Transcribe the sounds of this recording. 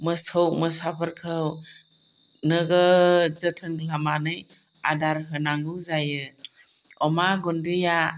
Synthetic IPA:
mɯsɔwməsapʰəɾkʰɯw | nɯɡɯzətʰɯnlamanɯj | adaɾɦɯnaŋuzajɯ | ɔmaɡɔndija

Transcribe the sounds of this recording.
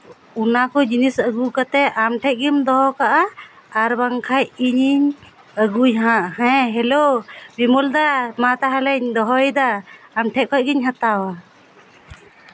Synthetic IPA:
unakɔd͡ʒinisəɡukat̪ɛʔamʈʰɛʔ̚ɡimd̪ɔɦɔkaʔaː | ɾbaŋkʰajiɲiɲ | əɡujɦãʔhɛ̃ɦɛlobimɔld̪amat̪aɦalɛɲd̪ɔɦɔjd̪aːmʈʰɛʔ̚kʰɔc̚ɡiɲɦat̪awa

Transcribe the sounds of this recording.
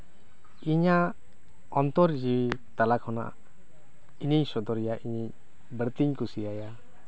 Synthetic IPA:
iɲaʔ | ɔnt̪ɔɾd͡ʒiit̪alakʰɔna̰ʔ | iɲiɲsɔd̪ɔɾijaʔiɲiɲ | bəɾt̪iɲkusijaja

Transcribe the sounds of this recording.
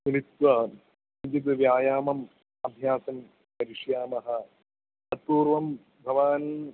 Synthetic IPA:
minit̪ʋɐ | ɐɲd͡ʒit̪ɨʋjaːjaːmɐm | ɐbʱjaːsɐm | pɐɾiʂjaːmɐɦɐ̆ | ɐt̚ːuːɾʋɐm | bʱɐʋaːnɐ

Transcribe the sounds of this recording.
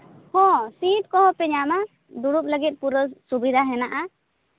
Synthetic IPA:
hɔ̃sit̚kɔɦɔpɛɲama | d̪uɽup̚ləɡit̪̚ˀpuɾəsubid̪ʱaɦɛnaʔa

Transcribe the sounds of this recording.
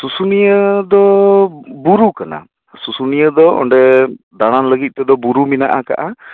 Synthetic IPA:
susunijəd̪ɔ | buɾukana̰ | susunijəd̪ɔɔ̰ɳɖɛ | d̪aɽ̃anləɡit̪̚ˀt̪ɛd̪ɔbuɾuminaʔaka̰ʔa

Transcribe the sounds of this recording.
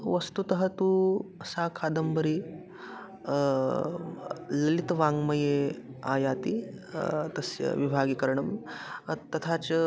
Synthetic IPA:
ʋɐst̪ut̪ɐɦɐt̪uːɐsaːkʰaːd̪ɐmbɐɾi | lɐlit̪ʋaːŋɡmɐjea̰ːjaːt̪i | t̪ɐsjɐ̰ʋibʱaːɡikɐɾɳɐm | t̪ɐt̪ʰaːt͡ʃ

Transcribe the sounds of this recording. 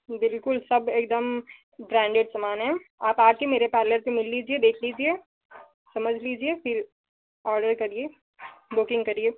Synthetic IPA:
bɪlkʊlsɐbeːkd̪əm | bɾɛ̃ːɳɖeɖsɐmaːnɦɛ̃aːpaːp̚kimeːɾepɛːləɾsẽmɪlːiːd͡ʒied̪eːkʰliːd͡ʒie | sɐməd͡ʒʱliːd͡ʒiefɪɾ | ɔːɾɖəɾkɐɾie | bʊkɪ̃ŋɡkɐɾie

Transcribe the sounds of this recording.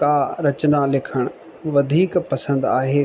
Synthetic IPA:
kaːɾɐt͡ɕnalɪkʰəɽ̃ | ʋɐd̪ʱiːkpɐsə̃nd̪aːɦeː

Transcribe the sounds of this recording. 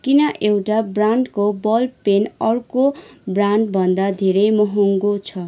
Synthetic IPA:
kinʌʔewʈabraɳɖkobʌlpenʌrkobranɖbʱʌnd̪ad̪ʱeɾʌjmʌɦuŋɡot͡sʰʌ

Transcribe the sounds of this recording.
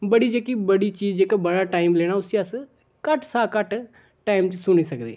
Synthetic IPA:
bəɽiːd͡ʒeːkiːbəɽiːt͡ʃiːd͡ʒd͡ʒeːkabəɽaːʈaːɪmleːɽ̃aːʊsiːəs | kəʈsaːkəʈ | ʈaːimt͡ʃsʊniːsəkd̪ḛː

